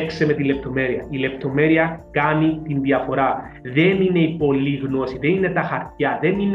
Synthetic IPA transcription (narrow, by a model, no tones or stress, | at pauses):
kseme̞t̪ilep̚t̪o̞me̞ɾiɐ̰ile̞p̚t̪o̞me̞ɾiɐkɐnit̪inðiɐfo̞ɾɐ | ðe̞nine̞ipo̞liɣno̞siðe̞nine̞t̪ɐxɐɾt̪ɐðe̞nin